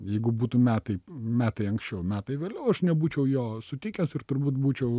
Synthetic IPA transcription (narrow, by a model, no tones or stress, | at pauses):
jɛɪɡʊbuːt̪umʲæːt̪ɐɪmʲæːt̪ɐɪɐŋksʲt͡ʃʲɛʊmʲæːt̪ɐɪʋʲeːlʲɛʊɐʃnʲɛbuːt͡ʃʲɛʊjoːsʊt̪ʲɪkʲɛsɪrt̪ʊɾbuːt̪buːt͡ʃʲɛʊ